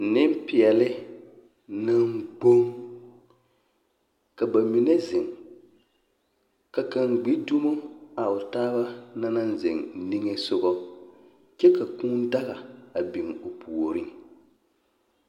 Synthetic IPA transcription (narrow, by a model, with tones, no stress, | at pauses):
nɪ˦m˦pɪ˨ɛ˨lɪ˦ | na˦ŋɡ͡bo˦ŋ | ka˨ba˨mi˨nɛ˦zɪ˨ŋ | ka˨ka˨ŋɡ͡bi˦du˦mo˦a˨ʊ˨taː˦ba˦na˦na˦nzɪ̰˨ŋni˦ŋe˦sʊ˦ɣɔ˦ | t͡ʃɛ˦ka˨kuː˦n˦da˦ɣa˨a˨bi˨ŋo˨pʰu˨o˨ɾɪ˦ŋ